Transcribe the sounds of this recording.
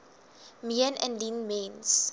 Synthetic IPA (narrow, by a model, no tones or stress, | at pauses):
miənɛ̰̃nlinmẽns